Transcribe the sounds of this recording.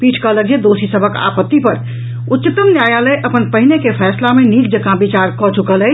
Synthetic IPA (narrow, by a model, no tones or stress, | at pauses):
piʈʰkələk̚d͡ʒed̪osisəbʱəka̰pət̪ːipəɾ | ut̪ːt͡ʃit̪ːəmnjajaləʔəpənpəɦinekepʰɛslamenikd͡ʒəkãbit͡ʃaɾkɔt͡ʃukələ